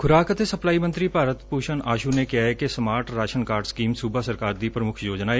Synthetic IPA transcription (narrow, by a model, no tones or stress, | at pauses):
kʰʊɾaːkət̪esɐplaːimə̃nt̪ɾipaːɾət̪puːʃənaːʃunekijaɦɛkesɐmaːɾʈɾaːʃənkaːɾɖskiːmsuːbasɐɾkaːɾd̪ipɾəmʊkʰjoːd͡ʒnaeː